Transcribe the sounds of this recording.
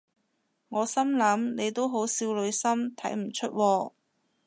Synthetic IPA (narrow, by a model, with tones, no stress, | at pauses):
ŋɔː˨˧sɐ˥mlɐ˨˥mne˨˧jt̪o˥wɦo˨˥wsiː˧wlɵ˨˧ɥsɐ˥mt̪ʰɐ˨˥jm̩˨˩t͡ʃʰɵ˥t̚wɔː˧